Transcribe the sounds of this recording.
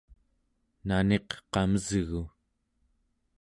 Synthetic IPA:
nane̞qqɑməzɣu

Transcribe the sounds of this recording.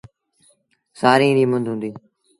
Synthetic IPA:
saːɾĩːɗiːmʊ̃nd̪ʱɦʊ̃nd̪iː

